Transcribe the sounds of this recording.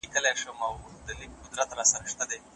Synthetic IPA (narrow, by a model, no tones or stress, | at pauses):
ikəleʂəmawd̪əlik̚qʊd̪ɾat̪ɾasaɾaʃt̪ad̪e